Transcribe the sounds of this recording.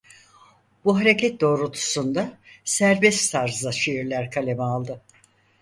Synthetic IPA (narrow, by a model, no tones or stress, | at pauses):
buɦaɾecʰɛt̪̚d̪o̞ːɾut̪ʰu̥sund̪asæɾbɛst̪ːt̪ʰaɾzd̪aʃejiɾlʲæɾkʰalʲemɛalˠd̪ɯ